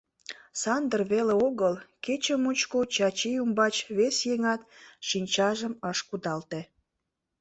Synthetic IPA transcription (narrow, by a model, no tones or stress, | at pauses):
sɑnd̪ərβeleoɣəlket͡ɕəmut͡ɕkot͡ɕɑt͡ɕijumbɑt͡ɕβesjeŋɑt̪ʃinʲt͡ɕɑʒəməʃkud̪ɑlt̪e